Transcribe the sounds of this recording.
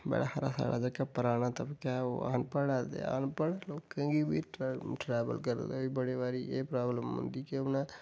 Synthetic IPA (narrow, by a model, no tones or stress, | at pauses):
bɛ̰ːɽa̰həɾa̰ːsa̰ːɽa̰ːd͡ʒəkaːpəɾaːñaːt̪əbkaːo̰a̰npəɽaːd̪ḛa̰ːnpəɽloːkãːɡiːbiːʈʈɾɛːʋə̰lkəɾeibəɽeːʋaːɾiːʔeːpɾaːbləmʊ̰nd̪iːkɪonaː